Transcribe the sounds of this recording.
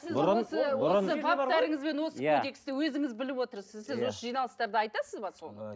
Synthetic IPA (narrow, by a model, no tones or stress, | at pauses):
sɪzosəwoəvat̪æɾɪŋɪzbe̞nwo̞səkod̪e̞kst̪ɪwɵzɪŋɪzbɪlɪpwo̞t̪əɾsɪzsɪzwo̞səʒijnɑlˠəst̪ɑɾd̪əɑjt̪ɑsəzbɑso̞nə